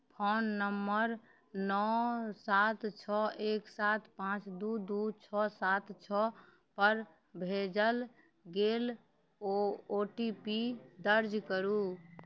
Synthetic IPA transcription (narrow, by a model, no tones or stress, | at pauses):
pʰonːəmːəɾ | nɔsat̪t͡ʃʰɔʔeksat̪ʰpãt͡ʃd̪ud̪ut͡ʃʰɔsat̪t͡ʃʰɔ | pəɾ | bʱed͡ʒəl | ɡel | ooʈipid̪əɾd͡ʒkəɾu